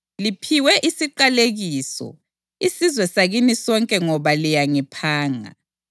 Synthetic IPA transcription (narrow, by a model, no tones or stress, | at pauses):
lipʰiwɛʔisiǃaleɣiːsɔ̰ | isizwɛsaɣinisɔŋkʼɛŋɔβalijaŋipʰaːŋa̰